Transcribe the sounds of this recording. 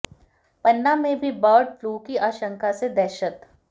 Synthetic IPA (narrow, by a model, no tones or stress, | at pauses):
pɐnːamẽbʱibɔːɖfluːkiʔaːʃə̃ŋkased̪ɛːʃət̪